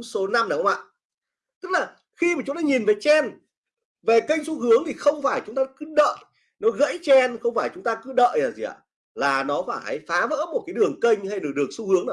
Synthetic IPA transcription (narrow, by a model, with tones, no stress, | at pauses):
ŋ͡mso˨˦na˧ma˨˦˩ə˧˦wa̰ː˧˨ | t̪ɨ˦˥k̚laː˨˩ | xi˧maː˨˩t͡ɕʊ˨˦ŋ͡mt̪aː˧˦ɲi˨˩nve˨˩t͡ɕɛ˧n | ve˨˩kə˧jŋ̟su˧ɦɨ˨˦əŋt̪ʰi˨˩xə˧wŋ͡mfaː˧˩jt͡ɕʊ˨˦ŋ͡mt̪aː˧kɨ˨˦ɗə̰ː˧˨j | nɔ˨˦ɣə̰˧˥jt͡ɕɛ˧nxə˧wŋ͡mfaː˧˩jt͡ɕʊ˨˦ŋ͡mt̪aː˧kɨ˨˦ɗə̰ː˧˨jaː˨˩zi˨˩a̰˨ | laː˨˩nɔ˨˦faː˧˩jha̰˨˧˩jfaː˨˦və̰ː˧˥mo˨˩t̚kaː˨˦jɗɨ˨˩əŋkə˧jŋ̟ha˧jɗɨ˨˩ək̚ɗɨ˨˩ək̚su˧hɨ˨˦əŋnaː˨˩